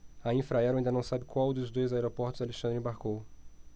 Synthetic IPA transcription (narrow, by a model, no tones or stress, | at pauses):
aĩfɾaɛɾʊaĩd̪ɐnɐ̃w̃sabɪkwawd̪ʊzd̪ojzaɛɾopɔɾt̪ʊzaleʃɐ̃nd̪ɾẽbaɾkow